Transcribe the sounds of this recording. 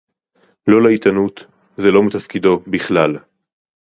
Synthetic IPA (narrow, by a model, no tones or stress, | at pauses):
lo̞leit̪anut̪ | zelo̞mit̪afkid̪o̞biχlal